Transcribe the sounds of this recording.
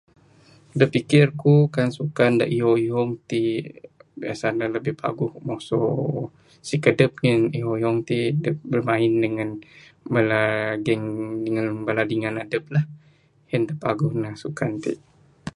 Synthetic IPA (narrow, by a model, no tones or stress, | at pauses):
dəpikɪrkukansukanda̰ʔioiɦɔŋt̪i | bia̰sanaləbɪhpa̰ɡʊhmɔso | sikədəp̚ŋəniɦoiɦɔŋt̪idəbərmãɪndəŋanbalaɡɛŋdəŋanbaladiŋanadəp̚lah | həndəpaɡʊhnasukant̪ḭʔ